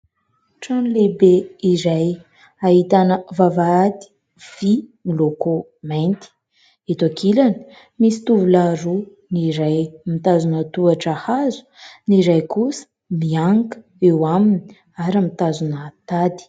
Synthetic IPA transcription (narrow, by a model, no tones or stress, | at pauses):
ʈ͡ʂanlebeiɾaj | aɦit̪anəvavaad̪i̥ | v̥imiloko | majnt̪i̥ | et̪akʰilani̥ | misi̥t̪uvulaɾu | niɾajmit̪azunət̪uaʈ͡ʂahazu̥ | niɾajkusə̥ | miaŋkə̥ | ewamini̥ | aɾəmit̪azunət̪ad̪i̥